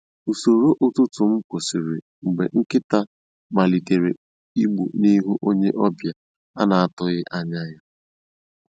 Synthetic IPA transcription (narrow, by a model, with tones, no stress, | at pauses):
u˨so˨ɾo˦ʔo˨tʊ˦tʊ˨m̩˦kʷo˨si˨ɾɪ̰˨ | ŋ͡m̩˨ɡ͡be˨ŋ̩˦kɪ˦ta˦ | ma˨li˨te˨ɾe˨ | i˦ɡ͡bṵ˨ni˦ɦu˦ʔo˦ɲe˦ʔɔ˦bja˨ | a̰˦na˨a˦tʊ˦ɣɪ˦ʔa˦ɲa˦ja˦